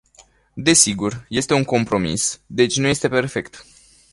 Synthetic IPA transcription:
d̪e̞siɡurje̞st̪e̞uŋko̞mpɾo̞mḭsd̪e̞t͡ʃʲnuje̞st̪e̞pe̞rfe̞kt̪

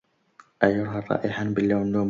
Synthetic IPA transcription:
ʔajʊɾɦarˤːɑ̰ːʔɪħanbɪlːawnːum

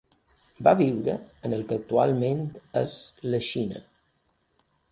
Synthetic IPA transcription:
baβiwɾəənəlˠkək̚t̪ua̰lˠment̪əzləʃinə̰

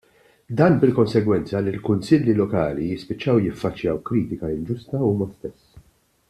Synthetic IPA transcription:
d̪ɐːnbɪlkɔnsɛɡwɛnt͡sɐlilkʊnsɪlːilɔkɐːlijɪspɪt͡ʃːɐwjɪfːɐt͡ʃːjɐwkɾiːt̪ɪkɐɪld͡ʒʊst̪ɐuːmɐst̪ɛsː

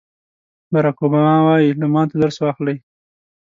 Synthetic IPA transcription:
baɾɑkobɑmɑwɑjilamɑnt̪ad̪aɾswɑxləj

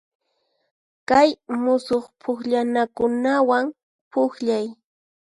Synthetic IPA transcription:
kajmʊsoχpʰʊkʎanakʊnawaŋ | pʊkʎaj

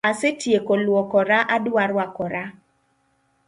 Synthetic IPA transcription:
asetjekɔlwɔkɔɾaʔadwaɾwakɔɾa

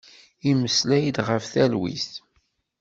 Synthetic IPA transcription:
iməslæjd̪ʁəfθælwḭsθ

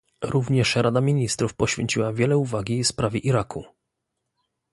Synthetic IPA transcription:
ɾuvɲɛʂɾad̪amʲiɲist̪ɾufpɔɕfʲjḛɲt͡ɕiwavʲjɛlɛuvaɡʲifspɾavʲjɛʔiɾaku

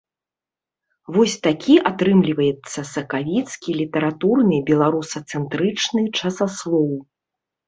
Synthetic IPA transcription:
vɔsʲt̪akʲiʔat̪ɾɨmlʲivɐjɛt̪sːɐsɐkavʲit̪skʲilʲit̪ɐɾat̪urnɨbʲɛlˠaɾusɐt̪sɛnt̪ɾɨt͡ʂnɨt͡ʂɐsaslˠɔw

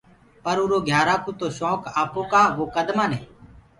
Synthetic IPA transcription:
pəɾuːɾoːɡʱjaːɾaːkʰuːt̪oːʃɔːkaːpõːkaːʋoːkəd̪mãːnẽː

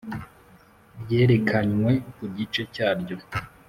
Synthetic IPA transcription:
ɾje̞ːɾe̞kʰaɲwe̞kuɟit͡ʃe̞caːɾɟo̞

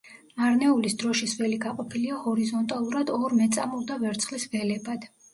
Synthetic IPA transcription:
maɾnɛulisd̪ɾɔʃisvɛliɡaqʼɔpʰiliahɔɾizɔnt̪ʼalˠuɾad̪ɔɾmɛt̪sʼa̰mulˠd̪avɛɾt̪sʰχlisvɛlɛbad̪̥

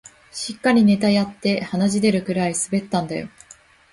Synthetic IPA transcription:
ɕikːaɾʲine̞t̪ajat̪ːe̞hanaʑid̪e̞ɾɯ̟kɯ̟ɾaisɨbe̞t̪ːãnd̪a̰jo̞̰

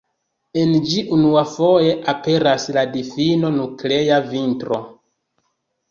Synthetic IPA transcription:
e̞nd͡ʒiʔunuafo̞je̞ʔape̞ɾasladifino̞nukle̞javintɾo̞̰

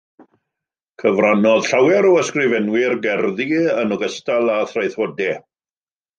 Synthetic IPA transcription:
kʰəvranɔð̥ɬawɛɾɔəskrɪvɛnwɪrɡɛrðiənɔɡəstalˠaθrajθwɔdɛ

